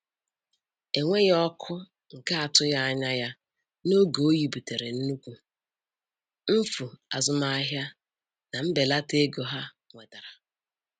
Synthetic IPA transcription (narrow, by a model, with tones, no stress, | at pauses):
e˨ŋʷe˦jɔ˦kʰʊ˦ | ŋ̩˨ka˦a˨tʊ˦ja˦a˦ɲa˦ja˦ | no˦ɡo˨o˦ji˨bu˨te˨ɾe˨n̩˦nu˦kʷu˨ | m̩˦fu˨a˨zʊ˦ma˦a˦ɦja˦ | na˨m̩˦be˨la˦te˦ɡo˨ɦa˦ | ŋʷe˨da˨ɾa˨